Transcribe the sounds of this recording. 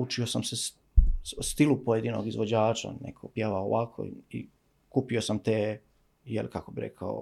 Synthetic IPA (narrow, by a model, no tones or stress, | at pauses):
ut͡ʃio̞samse | ust̪ilupojed̪ino̰ɡizʋod͡ʑaːt͡ʃa̰nḛkʰopjeʋao̰ʋakʰo̰i | kuːpiosamt̪eː | jelikakobiɾḛkʰao̰